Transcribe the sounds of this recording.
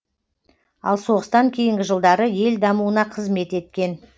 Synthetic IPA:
ɑ̰lˠso̞ʁəst̪ɑŋkʲʰe̞jɪŋɡʲɪʒəlˠd̪ɑɾəje̞ld̪ɑmuənɑqʰəzme̞t̪e̞t̪̚kʲe̞n

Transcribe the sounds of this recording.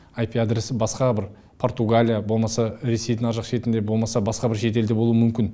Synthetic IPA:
ajpʲiad̪ɾisɪbɑsqɑbɪɾ | pʰo̞ɾt̪uɡalʲijabo̞lˠmɑsɑɾe̞sejd̪ɪŋɑʒɑqʃe̞t̪ɪnd̪e̞bo̞lˠmɑsɑbɑsqɑbɪɾʃe̞t̪̬e̞ld̪e̞bolˠuwəmʏmkʲɪn

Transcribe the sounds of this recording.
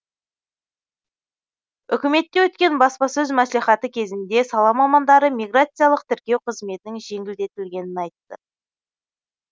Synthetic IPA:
ʏ̰kʲɪme̞t̪ːe̞wɵt̪kʲe̞nbɑspɑsɵzmæsleχɑt̪əkʲʰe̞zɪnd̪e̞sɑlˠɑmɑmɑnd̪ɑɾəmʲiɡrat̪sɨjalˠəqt̪ʰɪɾkʲe̞wqʰəzme̞t̪ɪnɪŋʒe̞ŋɡʲɪld̪e̞t̪ɪlɡʲe̞nɪnɑjt̪ːə

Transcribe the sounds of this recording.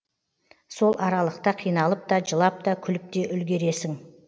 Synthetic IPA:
so̞lˠʔɑɾɑlˠəqt̪əqʰijnɑlˠəp̚t̪ɑʒəlˠɑp̚t̪ɑkʲʰʏlɪp̚t̪e̞ʔʏlɡʲe̞ɾe̞sɪŋ

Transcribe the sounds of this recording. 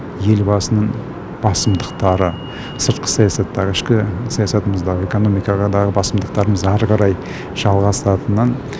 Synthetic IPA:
je̞lbɑsənəɴ | b̥ɑsəmd̪əqt̪ɑɾə | səɾt̪̚qə̥sɑjɑsɑt̪ːɑʁəɪʃkʲɪsɑjɑsɑt̪əməzd̪ɑʁəe̞ko̞no̞mijkɑʁɑd̪ɑʁəbɑsəmd̪əq̚t̪ɑɾəməzɑɾʁəɾɑj | ʒ̥ɑlˠʁɑsɑt̪ənɑn

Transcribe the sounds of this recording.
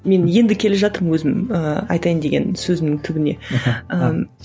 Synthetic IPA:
me̞nje̞nd̪ɪkʲʰe̞leʒɑt̪əɾəmwɵzɪməɑ̰jt̪ɑjənd̪e̞ɡʲe̞̰nsɵzɪmnɪŋt̪ʰʏbɪne̞̰ə

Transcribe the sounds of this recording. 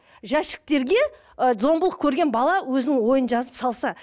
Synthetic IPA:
ʒæʃɪ̥k̚t̪e̞ɾɡʲe̞ | zo̞mbəlˠəq̚kʲʰɵɾɡʲe̞nbɑlˠɑwɵzɪnɪŋwo̞jənʒɑzəpsɑlˠsɑ

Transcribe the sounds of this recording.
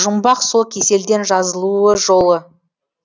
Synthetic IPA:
ʒʊmbɑqsokʲʰe̞se̞ld̪e̞nʒɑzəlˠuəʒo̞lˠə

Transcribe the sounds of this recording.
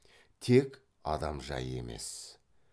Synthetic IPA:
t̪ʰe̞k | ɑd̪ɑmʒɑ̰je̞̰me̞̰s

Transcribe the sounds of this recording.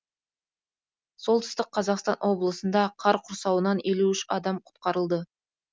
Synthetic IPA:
so̞lˠt̪ə̥st̪əqqʰːɑzɑqst̪ɑnʔwo̞blˠəsənd̪ɑqʰɑɾqʰʊɾsɑwənɑne̞luʏʃɑd̪ɑmqʰʊ̥t̪qɑɾəlˠd̪ə

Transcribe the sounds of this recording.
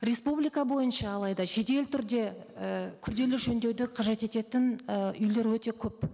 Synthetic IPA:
ɾʲe̞spublijkɑbo̞jənʃɑːlˠɑjd̪ɑʃe̞t̪e̞lɪt̪ʰʏɾd̪e̞ | əkʲʰʏɾd̪e̞lɪʒɵnd̪e̞wd̪ɪqʰɑʒe̞t̪e̞t̪e̞t̪ɪnʏjle̞ɾwɵt̪e̞kʲʰɵp̚

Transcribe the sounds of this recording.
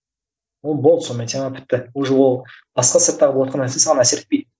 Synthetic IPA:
wo̞lˠbolˠd̪so̞nmet̪ʰemɑpʰɪ̥t̪ːɪwoʒewo̞lˠbɑsqɑsæt̪ːɑɾʁəb̪ˠwɑt̪qɑnæsesɑʁɑnæse̞ɾɪ̥t̪̚pejd̪

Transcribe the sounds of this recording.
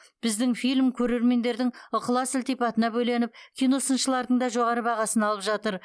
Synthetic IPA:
b̥ɪzd̪ɪŋfijlʲmkʲʰɵɾe̞ɾme̞nd̪e̞ɾd̪ɪŋʊqəlˠɑsʊlʲt̪ijpɑt̪ənɑbɵjle̞nɪp̚kʲʰijno̞sənʃəlˠɑɾd̪əɴd̪ɑʒo̞ʁɑɾəbɑʁɑsənɑlˠəpʒɑt̪əɾ

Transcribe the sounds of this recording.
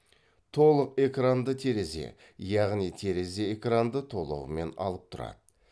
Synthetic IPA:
t̪ʰo̞lˠəqe̞krand̪ət̪ʰe̞ɾe̞ze̞̰ | jɑʁnijt̪ʰe̞ɾe̞ze̞ekrand̪ət̪ʰo̞lˠə̰wəme̞nɑ̰lˠəp̚t̪ʰʊɾɑ̰d̪̥ə

